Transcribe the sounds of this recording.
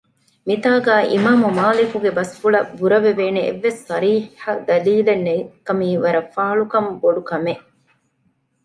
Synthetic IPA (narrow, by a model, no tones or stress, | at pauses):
mit̪aːɡæːʔḭmaːmumaːlikuɡebɐsfuɭɐbuɾɐʋeʋeːneḛʋːesːɐɾiːħɐd̪ɐliːlɐnːekɐmiːʋɐɾɐfːaːɐɭukɐmboɖukɐme